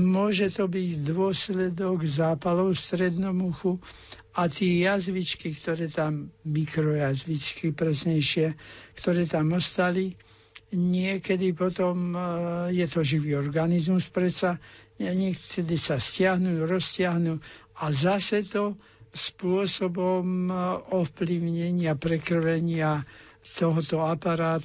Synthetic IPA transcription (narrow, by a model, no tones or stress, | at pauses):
mʊɔʒɛt̪ɔbiɟd̪ʋʊɔslɛd̪ɔɡzaːpalɔʊst̪ɾɛd̪nɔmuxu | at̪ɪɛjazʋit͡ʃkikt̪ɔɾɛːt̪amːikɾɔjazʋit͡ʃkipɾɛsɲɛjʃɪɛkt̪ɔɾɛːt̪amɔst̪ali | ɲɪɛkɛd̪ipɔt̪ɔm | jɛt̪ɔʒiʋiːɔɾɡanizmuspɾɛtsaɲɪɛkɛd̪isascɪaɦnujuɾɔscɪaɦnuazasɛt̪ɔ | spʊɔsɔbɔmɔfpliʊɲɛɲɪapɾɛkr̩ʋɛɲɪa | t̪ɔɦɔt̪ɔapaɾaːt̪